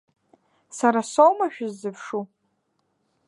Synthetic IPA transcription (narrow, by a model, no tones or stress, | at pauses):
saɾasowmaʃᶣʊzːɨpʰʂu